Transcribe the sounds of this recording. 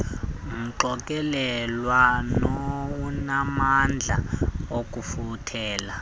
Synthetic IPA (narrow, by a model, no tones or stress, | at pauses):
ŋm̩ǃɔk̬ʼɛlɛlwanowunamand͡ɮʱa̰ok̬ʼufutʰɛːla